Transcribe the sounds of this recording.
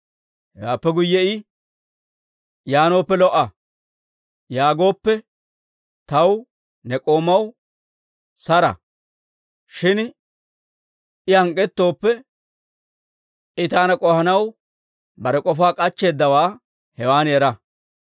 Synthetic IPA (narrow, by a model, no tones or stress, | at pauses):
hɛwaːpːɛɡʊjːɛɪ | jaːno̞ːpːɛlɔʔːɐ | jaːɡo̞ːpːɛ | t̪ɐw | nɛkʼo̞ːmɐw | sɐɾɐ̰ | ʃɪn | ɪhɐŋkʼːɛt̪ːo̞ːpːɛ | ʔɪt̪aːnɐkʼɔhɐnɐw | bɐɾɛkʼɔfaːkʼɐt͡ʃːe̞ːd̪ːɐwaː | hɛwaːnjɛɾɐ